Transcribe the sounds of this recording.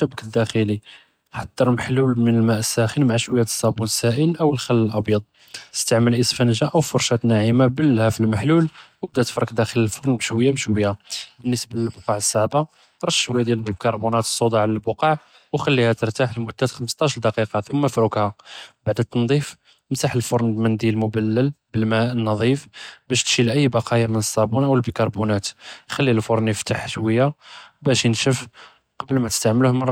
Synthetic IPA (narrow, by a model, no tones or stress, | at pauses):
ʃəbkəd̪ːæxili | ħɑd̪ˤːəɾˤməħlulmənəlmæʔəsːæxənmaʕaʃwəjːæt̪sːɑbunsæʔənʔəwəlxælːəlʔɑbjɑd̪̚ˤ | əst̪aʕməlʔəsfænʒaʔəwfʊɾˤʃæt̪naʕimabəlːhæfilməħlulwəb̚d̪æt̪ə̥fɾˤɑkd̪æxələlfoɾˤnbʃwəjːabʃwəjːabənːəsbləlbʊqɑʕəsːaʕba | ɾˤɑtʃwæjd̪jælkɑɾˤbunɑt̪ə̥sˤːod̪ɑʕləlbʊqɑʕ | wxælːihæt̪əɾˤt̪aħəlmʊd̪ːæt̪xəməst̪ˤɑʃɾd̪ɑqiqɑθumːəfɾukhæbaʕd̪t̪nd̪ˤif | mt̪aħəlfoɾˤnlmənd̪lmʊbælːəlbəlmæənːɑðˤifbæʃt̪ʃilʔəjːbɑqɑjamənəsːɑbunʔəwəlbikɑɾˤbunæt̪xælːilfʊɾˤnjəft̪aħʃwəjːabæʃjənʃəf | qɑbəlmæt̪ə̥st̪aʕməluhməˤ